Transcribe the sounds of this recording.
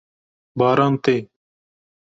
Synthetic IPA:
baːɾaːnt̪eː

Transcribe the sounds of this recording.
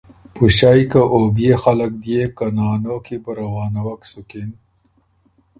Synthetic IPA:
puɕajkaʔoːbijexalak̚d̪ijekanɑːnoːkʰibəɾɐwɑːnawɐksukin

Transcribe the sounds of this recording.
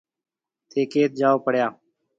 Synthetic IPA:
t̪ʰeːkeːt̪̚d͡ʒaːoːpəɽ̤jaː

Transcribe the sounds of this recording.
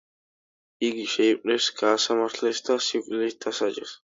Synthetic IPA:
iɡiʃɛipʼnɛsɡ̥aːsamaɾt̪ʰlɛsd̪asiwkʼlɛsd̪̥asad͡ʒʼɛs

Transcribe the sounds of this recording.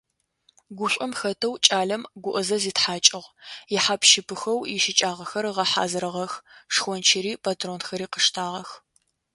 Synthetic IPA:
ɡʷʊɕʷʼʊmxɐtʰɐwt͡ʃʼaːɮɐmɡʷʊʔɐzɐziːtħaːt͡ʃʼɪʁjɪħaːpʃɪpʰɨxɐwjɪʃɪt͡ʃʼaːʁɐxɐrʁɐħa̰ːzɨɾɐʁɐxʂxʷɔnt͡ʃʰɪɾiːpʰaːtʰroːnxɐɾiːqəʂtʰaːʁɐx

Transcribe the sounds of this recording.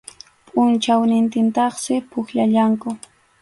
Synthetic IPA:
pʼʊnt͡ʃawnɪnt̪ɪnt̪ɑχsɪpʊxʎaʎaŋkʊ

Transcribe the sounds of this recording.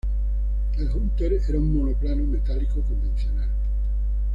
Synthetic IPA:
elɦunt̪eɾeɾaumːonoplanomet̪alikokombensjonal

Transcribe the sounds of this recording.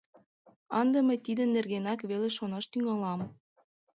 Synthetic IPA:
ɑnd̪ɤ̆məjt̪id̪ə̆nːerɣenɑkβeleʃonɑʃt̪yŋɑlɑm

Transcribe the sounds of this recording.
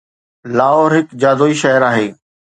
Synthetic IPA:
laːɦoːɾɦɪkd͡ʑaːd̪oːiːʃɐɦəɾaːɦeː

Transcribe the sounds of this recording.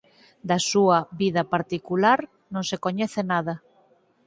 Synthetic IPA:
d̪ɐsuɐβiðɐpaɾt̪ikulaɾ | nõŋsekoɲɛθenaðɐ

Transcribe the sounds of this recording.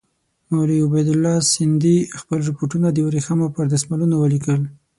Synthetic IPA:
mawliʊbajd̪ʊlːɑsɪnd̪ixpəlɾɪpoʈunad̪əjɾexamapəɾd̪asmalunawəlikəl

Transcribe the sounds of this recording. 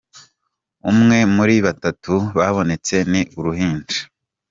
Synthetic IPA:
umŋe̞muɾiβatatuβaβo̞ne̞t͡se̞niʔuɾuɦiːnd͡ʒi̥

